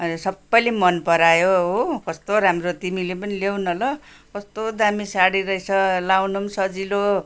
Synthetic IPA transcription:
ʌnsʌbːʌjlemʌnpʌɾajoɦokʌst̪oɾamrot̪imilep̬ʌnilewnʌlʌ | kʌst̪od̪amisaɽiɾʌit͡sʰʌlawnumsʌd͡zilo

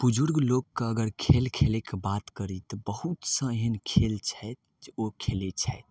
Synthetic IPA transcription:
b̥ud͡ʒuɾɡlokːeəɡəɾkʰelkʰelekebat̪kəɾit̪ɔbəhut̪sə̃eɦənkʰelt͡ʃʰɛt̪̚ | okʰelet͡ʃʰɛet̪̚

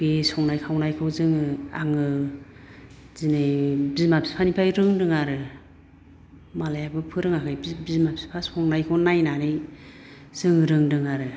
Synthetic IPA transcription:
b̥esɔŋnajkʰawnajkʰɯwzɯŋaŋɯ | zinebizmapʰi̥spʰanipʰajɾɯŋdɯŋaɾɯ | malajabɯpʰɯɾɯŋakʰɯjbizmapʰi̥spʰasɔŋnajkʰɯwnajnanɯj | z̥ɯŋɾɯŋdɯŋaɾɯ

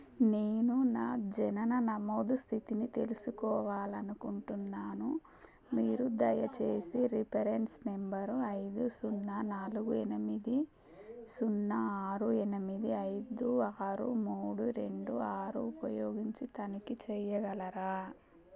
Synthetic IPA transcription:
neːnunaːd͡ʒɛnɐnɐnɐmoːd̪ust̪ʰit̪init̪e̞lusukɔːʋaːlɐnukuɳʈunːaːnu | miːɾud̪ɐjɐt͡ʃe̞ːsiɾipʰɐɾe̞nsnembɐɾɐjd̪usunːɐnaːluɡuenimid̪i | sunːɐaːɾuenimid̪iɐjd̪uaːɾumuːɽuɾe̞ɳɖuaːɾuːpɐjoːɡiɲt͡ʃit̪ɐnikit͡ʃɛjɐɡɐlɐɾaː

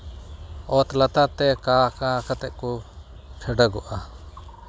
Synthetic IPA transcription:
ɔt̪lat̪at̪ɛkakakat̪ɛʔ̚kɔ | kʰɛɖəɡɔʔa

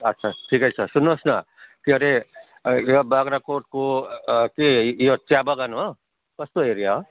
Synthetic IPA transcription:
ʌtːsʰaʈʰikʌjt͡sʰʌsunːosna | kiɦʌɾe | jobaɡɾakoʈ̚kokijot͡ʃabaɡano | kʌst̪oeɾija

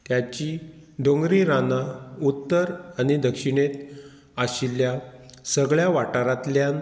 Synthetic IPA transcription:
t̪jat͡ɕiɖõŋɡɾiɾanaut̪ːəɾañid̪əkʂiɳet̪ | aɕiljasəɡɭjaʋaʈaɾat̪ljan

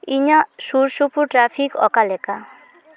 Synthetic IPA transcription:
iɲasuɾsupuʈɾafʰikɔ̰kaleka

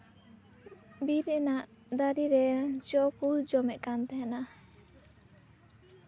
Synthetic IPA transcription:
biɾɛnaʔ | d̪aɾiɾɛt͡ʃɔkuld͡ʒɔmɛʔ̪̚kant̪ɛɦana

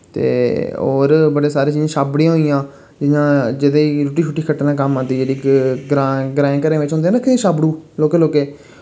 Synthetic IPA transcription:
t̪ḛːo̰ːɾbəɽeːsaːɾẽːt͡ʃiːzãːʃaːbɽiːãːɦoijãː | d͡ʒɪɲãːd͡ʒɪd̪eiːɾuʈiːt͡ʃʰʊʈːiːkʰəʈːnãːk̬əmãːt̪iːd͡ʒeːɽiːɡɾaːɡɾãːẽːkəɾẽːʋɪt͡ʃɦʊnd̪ẽːɾəkʰːeːd̪iːʃaːbɽuːloːkeːloːkeː

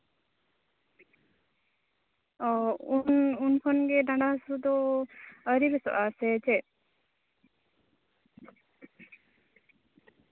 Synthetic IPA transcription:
ɔununkʰɔnɡɛɖãɖaɦsud̪ɔ | əɾiɾɛsɔ̰ʔasɛt͡ʃɛ

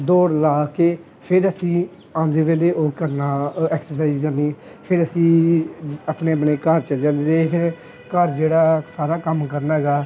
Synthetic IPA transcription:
d̪oːɾlaːkeː | pʰɪɾəsĩː | ãːnd̪eːʋeːleːʔoːkəɾnaːɛːksəɾs̬aːizkəɾniː | pʰɪɾəsĩː | əpneːəpneːkəɾt͡ʃəld͡ʒãːnd̪eːd̪eːpʰɪɾ | kəɾd͡ʒeːɽaːsaːɾaːkəmkəɾnaːɦɛɡaː

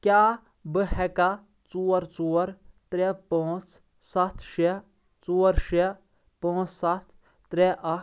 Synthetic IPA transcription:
kʲjaː | bɨhɛka | t͡suːɐɾt͡suːɐɾt̪ɾepãːt͡s | sɐt̪ʰʃe | t͡suːɐɾʃe | pãːt͡ssɐt̪ʰ | t̪ɾeʔɐ

